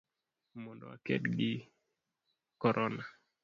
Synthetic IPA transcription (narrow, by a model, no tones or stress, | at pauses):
mɔndɔ̰wa̰kɛ̰tɡɪ | kɔɾʔɔna